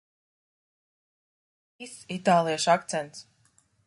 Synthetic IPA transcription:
isit̪aːlˠijaʃakt̪sɛnt̪s

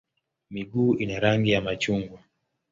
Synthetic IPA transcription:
miɡuːinaɾaŋɡijamat͡ʃuŋɡwa

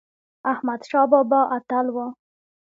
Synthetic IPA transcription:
ahmad̪ʃɑbɑbɑʔat̪alwa

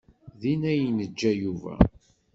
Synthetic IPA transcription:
ðinæjənəd͡ʒːæjuvæ̰

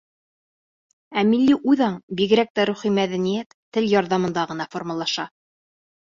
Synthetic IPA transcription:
æmilːiʔujðɑɴbiɣɘ̆ɾæk̚t̪æɾuχimæðænijæt̪ːɘljɑɾðɑmɤ̆nd̪ɑʁɤ̆nɑformɤlˠɑʃɑ

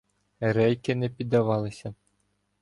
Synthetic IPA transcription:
ɾɛjkɪnɛpʲid̪ːɐʋɑlˠɪsʲɐ

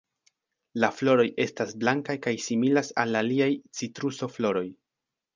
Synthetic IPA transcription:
laflo̞ɾo̞jʔe̞stasblaŋkajkajsimilasalaliajt͡sitɾuso̞flo̞ɾo̞j

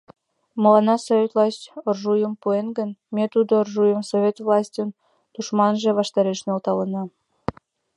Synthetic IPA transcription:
məlɑnɑsovʲet̪lˠɑsʲtʲorʒujəmpuenɡənmet̪ud̪oːrʒujəmsovʲet̪vlˠɑsʲtʲən | d̪̥uʃmɑnʒĕβɑʃt̪ɑɾeʃnolt̪ɑlənɑ

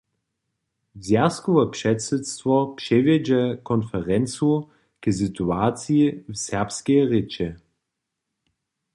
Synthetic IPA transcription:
zʲjaskɔvɛpʂɛtsɛt̪st̪vɔpʂɛvɛd͡ʒɛkɔnfɛʁɛnt͡su | kəzit̪uaːt̪t͡siivsɛʁpskɛʁɪt͡ʃɛ

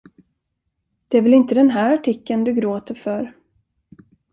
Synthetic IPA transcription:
d̪̥ɛæɾvɛlɪnt̪əd̪ɛnɦæːɾaʈʰɪkːənd̪ɵɡɾoːt̪əɾfœɾ

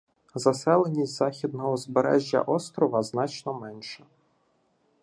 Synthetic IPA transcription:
zɐsɛlˠenʲːitʲzɑxʲid̪̚nɔɦɔzbeɾɛ̰ʒʲːɐ̰ʔɔst̪ɾɔʋɐznɑt͡ʃnɔmɛnʃɛ

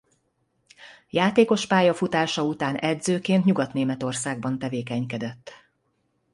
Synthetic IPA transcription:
jaːt̪eːko̞ʃpaːjɒfut̪aːʃɒut̪aːnʔɛd̪zøːkeːnt̪ɲuɡɒt̪neːmɛt̪o̞rsaːɡ̚bɒnt̪ɛveːkɛɲkɛd̪ɛt̪ː

